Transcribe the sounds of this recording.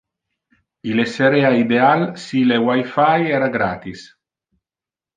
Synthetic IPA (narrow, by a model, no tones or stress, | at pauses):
ileseɾeaid̪ealsilewajfajɛːɾaɡɾaːt̪is